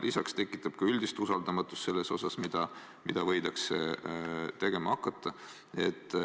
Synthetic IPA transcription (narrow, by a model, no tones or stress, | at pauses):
lʔisɑkst̪e̞kːˑit̪ːˑɑb̥̚kɑylʲd̪̥ist̪usɑld̪ɑmɑt̪ːˑust̪selːe̞sosɑsmid̪̥ɑ | mid̪̥ɑvɤ̞jd̪̥ɑkse | t̪e̞ɡ̥e̞mɑɑkːˑɑt̪ːˑɑ | et̪ːˑ